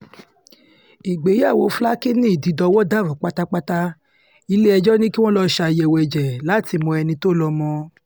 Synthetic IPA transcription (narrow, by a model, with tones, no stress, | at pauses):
i˨ɡ͡be˨˦ja˦˨wo˧fla˦ki˦nĩ˦i˦˨di˨˧˦dɔ˧wɔ˦da˦˨ɾũ˨˦k͡pa˦ta˦k͡pa˦ta˦ | i˧˦le˦ɛ˧d͡ʒɔ˦nĩ˦ki˦w̃ɔ̃˦lɔ˦ʃa˧jɛ˧˨wɛ˧˨d͡ʒɛ˨la˨˦ti˧mɔ̃˧ɛ˧nĩ˧to˦lɔ˧mɔ̃˧